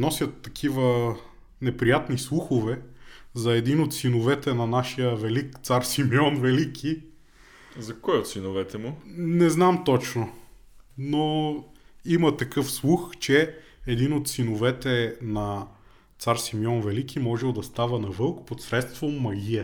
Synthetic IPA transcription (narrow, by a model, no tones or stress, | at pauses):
nɔsʲjət̪ːɐkʰivə | nɛpɾijat̪nislˠuxovɛzɐɛd̪inot̪sinovɛt̪ɛnɐnaʃijəvɛlikt̪saɾsimiɔnvɛlikʰi | zɐkɔjot̪sinovɛt̪ɛmʊnɛznamt̪ɔt͡ʃno | no | imɐt̪ɐkɤfslˠuxt͡ʃɛ | ɛd̪inot̪sinovɛt̪ɛnɐ | t̪saɾsimiɔnvɛlikimɔʒɛlˠd̪ɐst̪avənɐvɤlˠkpot̪sɾɛt̪st̪vomːɐɡiɛ